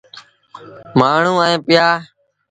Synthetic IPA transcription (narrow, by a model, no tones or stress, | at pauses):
maːɳ̤ũːəẽːpɪjaː